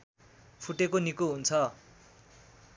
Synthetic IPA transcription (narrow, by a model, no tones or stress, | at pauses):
pʰuʈekonikuɦunt͡sʰʌ